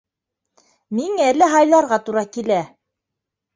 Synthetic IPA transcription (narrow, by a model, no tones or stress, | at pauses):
miŋælɘɦɑjlˠɑɾʁɑt̪uɾɑkilæ